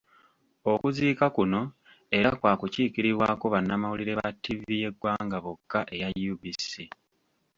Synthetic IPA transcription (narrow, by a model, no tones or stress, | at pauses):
okuziːkakuno̞ | e̞ɾakwaːkuciːkiɾiβwaːkoβanːamawuliɾe̞βatːivije̞ɡwaːŋɡaβokːaʔe̞jajubisi